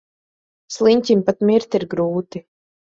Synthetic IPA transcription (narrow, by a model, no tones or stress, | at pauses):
slˠiɲʲtʲimpat̪mʲiɾt̪iɾɡɾuːt̪i